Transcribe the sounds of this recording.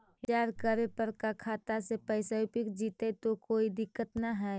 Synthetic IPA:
d͡ʒaːɾkəɾepəɾkakʰaːt̪asepɛɪsaʊpɪkd͡ʒiːt̪et̪okoːid̪ɪkːət̪naɦɛː

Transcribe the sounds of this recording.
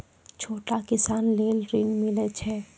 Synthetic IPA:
t͡ʃʰoːʈakɪsaːnleːlɾiːnmɪlet͡ʃʰeː

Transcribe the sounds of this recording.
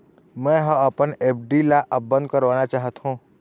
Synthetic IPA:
mɛ̃ɦə̃əpənep̚ʰɖilaʔəp̚bə̃nd̪̚kəɾʋanat͡ʃaːɦət̪ɦũ

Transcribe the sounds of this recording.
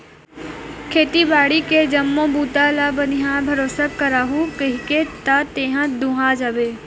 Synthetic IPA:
kʰeːt̪ibaːɽiked͡ʒɐmːõbuːt̪alabənɪɦãbʱɐɾoːsakːəɾaːɦukəɦiket̪at̪eːɦãd̪ũɦad͡ʒaːbeː

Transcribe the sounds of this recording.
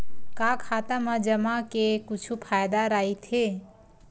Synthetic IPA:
kakʰaːt̪amad͡ʒəmakekut͡ʃʰupʰaːjd̪aɾaːit̪ʰe

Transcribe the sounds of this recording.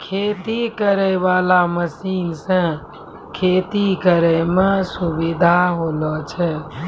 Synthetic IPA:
kʰet̪ikəɾəjʋalaməsiːnsə̃ | kʰet̪ikəɾəmesubid̪ʱaɦolɔt͡ʃʰɛ

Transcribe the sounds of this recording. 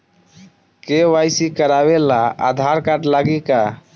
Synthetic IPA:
kewajsikəɾabelaa̰d̪ʱaɾkaʈlaɡika

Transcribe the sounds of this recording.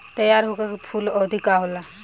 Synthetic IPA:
t̪əjaɾɦoɡakpʰulɔd̪ʱikaɦola

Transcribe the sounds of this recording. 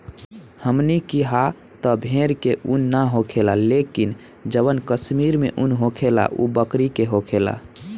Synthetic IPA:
həmnikiɦa | t̪ɔbʱeɾkeʔunːaɦokʰelalekin | d͡ʒəbənkəsmiɾmḛʔunɦokʰela̰ʔṵbəkɾikeɦokʰela̰

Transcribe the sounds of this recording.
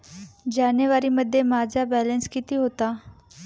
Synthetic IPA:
d͡ʑanjəʋaɾiːməd̪ʱːjemad͡zʱabɛlənskit̪iːɦot̪a

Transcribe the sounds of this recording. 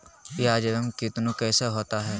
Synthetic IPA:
ɪaːd͡ʒeɾəmkɪt̪nũkɛːsaɦoːt̪aɦɛː

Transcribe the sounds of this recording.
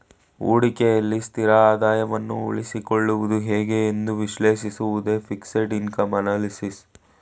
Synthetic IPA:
ṵːɽikejɐlːist̪ʰiɾɐaːd̪aːjɐʋɐnːṵṵɭisikoɭːuʋud̪uɦeːɡe̞ːnd̪uʋiʃleːʃisuʋud̪e̞ːfikseʈinkɐmɐnaːlisis

